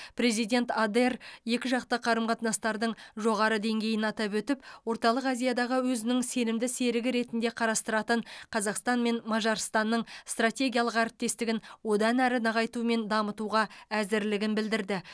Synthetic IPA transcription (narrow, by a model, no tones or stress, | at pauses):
pɾe̞zijd̪ʲe̞nt̪ad̪erje̞kʲɪʒɑqt̪ɑqʰɑɾəmqʰɑt̪nɑst̪ɑɾd̪əɴʒo̞ʁɑɾəd̪e̞ŋɡʲe̞jɪnɑt̪ɑpwɵt̪ɪpwo̞ɾt̪ɑlˠəqɑzijad̪ɑʁəwɵzɪnɪŋse̞nɪmd̪ɪse̞ɾɪɡʲɪɾe̞t̪ɪnd̪e̞qʰɑɾɑst̪əɾɑt̪əɴqʰɑzɑqst̪ɑnme̞nmɑʒɑɾst̪ɑnːəɴst̪rat̪ʲe̞ɡʲijalˠəqæɾɪp̚t̪e̞st̪ɪɡʲɪnwo̞d̪ɑnæɾɪnɑʁɑjt̪ume̞nd̪ɑmət̪uʁɑæzɪɾlɪɡʲɪnbɪld̪ɪɾd̪ɪ